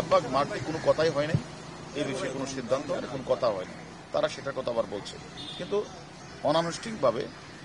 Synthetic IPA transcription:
abʱːaɡmaɾʈ̪ikonokɔt̪ʰajɦɔenej | ejbeʃɔekonoʃid̪ʱːant̪oɦɔ̰enekonokɔt̪ʰaɦɔena̰j | t̪aɾaʃeʈakɔt̪abaɾbolt͡ɕʰḛ | kint̪u | ɔnanosʈik̚bʱabḛ

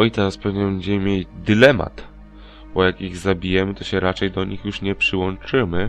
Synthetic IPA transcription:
ɔjt̪aspɛvɲɛbɛɲd͡ʑɛmɘmʲjed̪ɘlɛma̰t̪ | bɔjakiɣzabʲijɛmɘt̪ɔɕɛɾat͡ʂɛjd̪ɔɲixjuʂɲɛpʂɘwɔ̃nt͡ʂɘmɘ

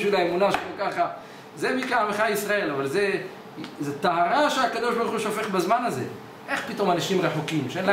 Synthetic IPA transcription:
ʃilaemunaʃelokaχa | zemikaameχaisʁae̞lavalze | zet̪aɦaʁaʃeakad̪o̞ʃbaʁuχuʃofe̞χbezmanaze̞̰ | ʔe̞χpit̪o̞manaʃimʁeħukimʃeenla

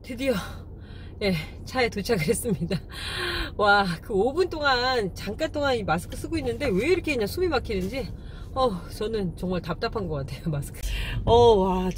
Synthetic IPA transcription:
tɯdijo | je̞ | t͡ɕʰaetot͡ɕʰaɡɯɾɦes͈ɯmɲida | wakɯobunt͈oŋant͡ɕaŋk͈ant͈oŋanimas̬ʰɯ̥kʰɯs͈ɯɡoinːɯnde̞we̞iɾʌkʰe̞ɲansʰumimak͈ʰidɯnd͡ʑi | ʌt͡ɕʌnɯnt͡ɕʌŋmaɭtap̚t͈apʰanɡʌk͈atʰe̞jomasʰɯ̥kʰɯʌwa

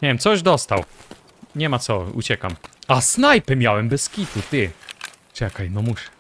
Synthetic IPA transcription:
ɲɛvʲjɛmt̪sɔʒd̪ɔst̪aw | ɲɛmat̪ɔṵt͡ɕɛka̰masnajpɛmʲjawɛmbɛskʲit̪ut̪ɘ | t͡ʂɛkajnɔmuʂɛ̥

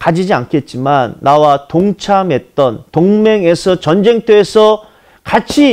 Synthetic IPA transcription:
kad͡ʑid͡ʑiankʰe̞t̚t͡ɕ͈imanːawatoŋt͡ɕʰamɦe̞t̚t͈ʌntoŋme̞ŋe̞sʰʌt͡ɕʌnd͡ʑe̞ŋt͈ʰeːsʰʌ | kat͡ɕʰi

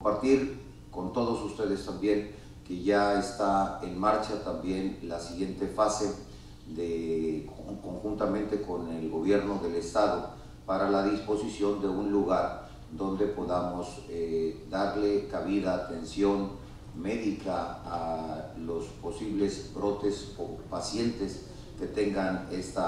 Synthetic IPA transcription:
ompaɾt̪iɾ | ko̞nt̪o̞ðo̞sust̪e̞ðest̪ambje̞ŋ | ke̞ʝaest̪aenmaɾt͡ʃat̪ambje̞nlasiɣje̞nt̪e̞fase̞ | ðe | ko̞ŋxunt̪amẽ̞nt̪e̞ko̞ne̞lɣo̞βje̞ɾno̞ðe̞le̞st̪aðo̞ | paɾalaðispo̞sisjo̞nd̪e̞unluɣaɾ | d̪o̞nd̪e̞po̞ðamo̞z | ed̪aɾle̞kaβiðaːt̪e̞nsjo̞n | me̞ðikaalospo̞siβle̞zbɾo̞t̪e̞sopasje̞nt̪e̞s | ke̞t̪e̞ŋɡanest̪a

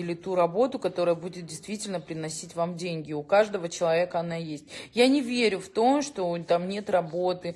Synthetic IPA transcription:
ɪlʲɪt̪uɾɐbo̞t̪ʊkɐt̪o̞ɾəjəbudʲɪt̪̚dʲɪjst̪vʲitʲɪlʲnəpɾʲɪnɐsʲitʲvamdʲenʲɡʲɪʊkaʐd̪əvət͡ɕɪlˠɐvʲe̞kəɐnajesʲtʲjanʲɪvʲeɾʲʊft̪o̞mʂt̪o̞t̪amnʲe̞t̪rɐbo̞t̪ɨ

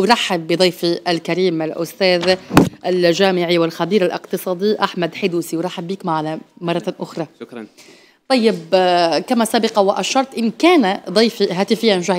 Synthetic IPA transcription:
wɾˤɑħːɪbːɪd̪ˤɑjfiʔalkaɾiːmɪlʔʊst̪æːðʔalʒaːmɪʕiwɪlxabiːɾalʔɪ̰qt̪ɨsˤɑːd̪iʔaħmad̪ħɪd̪uːsiwɾˤɑħːɪbːiːkmaʕlamɑrˤːɑʔʊxɾˤɑ | t̪ˤːɑjːɪbkamæsaːbɪqɑwɪʔaʃɑɾˤt̪ˤʔɪnkaːnad̪ˤɑjfiɦæːt̪ɪfɪjːanʒah

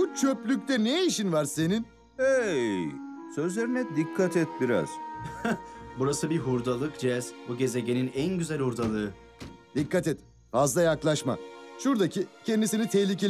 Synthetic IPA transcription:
but͡ʃʰøplʲyc̚ʲt̪ɛnejiʃinvaɾse̞nin | ejj | søzlʲeɾinɛd̪ikʰːat̪ʰɛt̪̚biɾa̰z̥ | buɾasɯbiɦuɾd̪alˠɯkd͡ʒɛz̥buɟe̞ze̞ɟe̞ninænɟyzælʲhuɾd̪alˠɯɯ | d̪̥ikʰːat̪ɛt̪ | fazlˠajaklˠaʃma̰ʃuɾd̪acʰicʰɛnd̪isinit̪ʰɛçlʲicʰe

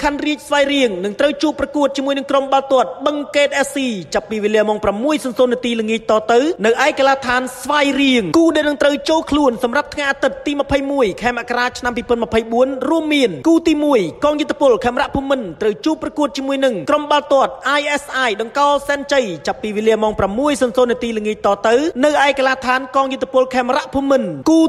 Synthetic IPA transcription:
kʰanriəc̚sʋajriəŋnɨŋt̪rəwt͡ɕuəpːrɑkuət̪̚t͡ɕiəmuəjnɨŋkromɓalt̪ŏət̪̚ɓəŋkeːt̪ʔɛːsiːt͡ɕapːiːʋeːliəmɔːŋpramːuəjsɑnsoːnːət̪iːləŋiəc̚t̪ɑːt̪ɨwnɨwʔaɛkalaːt̪ʰaːnsʋajriəŋkuːɗaɛlnɨŋt̪rəwt͡ɕoːlkʰluənsɑmrap̚t̪ʰŋajʔaːt̪ɨt̪ːiːmə̆pʰəjmuəjkʰaɛmaʔkaɾaːt͡ɕʰnampiːpɔənməpʰəjɓuənruəmːiənkuːt̪iːmuəjkɑːŋjʊ̆t̪ʰːe̥pʊlkʰaɛmraʔpʰuəmːɨnt̪rəwt͡ɕuəpːrɑkuət̪̚t͡ɕiəmuəjnɨŋkromɓalt̪ŏət̪̚ʔaːjʔɛsʔaːjɗɑŋkɑːlsɛːnt͡ɕəjt͡ɕapːiːʋeːliəmɔːŋpramːuəjsɑnsoːnət̪iːləŋiəc̚t̪ɑːt̪ɨwnɨwʔaɛkalaːt̪ʰaːnkɑːŋjʊt̪ʰːe̥pʊlkʰaɛmraʔpʰuəmːɨnkuː

